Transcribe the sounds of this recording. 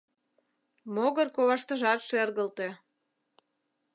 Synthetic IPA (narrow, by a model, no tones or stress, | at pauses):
moɣərkoβɑʃt̪ə̆ʒɑt̪ʃerɣəlt̪e